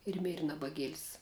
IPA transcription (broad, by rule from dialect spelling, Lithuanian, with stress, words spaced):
ɪr ˈmʲeːrʲɪ nɐbɐˈɡʲiɛlʲsʲ